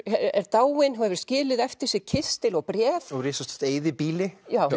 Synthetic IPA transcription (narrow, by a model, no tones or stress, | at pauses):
ɛɛɾt̪aːwɪnɦaɛvɪɾ̥scɪːlɪðɛft̪ɪɾ̥sɪcʰɪst̪ɪlɔɣpɾjɛːθɔɾiːsɔst̪t̪eːjðɪpiːlɪjaːw